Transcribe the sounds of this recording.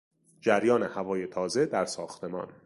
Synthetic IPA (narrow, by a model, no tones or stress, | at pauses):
d͡ʒæɾjɒːnehævɒːje̞t̪ʰɒːzed̪æɾsɒːxt̪ʰe̞mɒ̰ːn